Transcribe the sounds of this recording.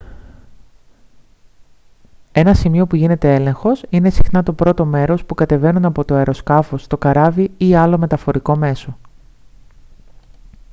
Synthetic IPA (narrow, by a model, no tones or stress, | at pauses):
e̞nɐsimio̞puʝine̞t̪ee̞le̞ŋxo̞sine̞sixnɐt̪o̞pɾo̞t̪o̞me̞ɾo̞spukɐt̪e̞ve̞nunɐpo̞t̪oɐeɾo̞skɐfo̞st̪o̞kɐɾɐviiɐlo̞me̞t̪ɐfo̞ɾiko̞me̞so̞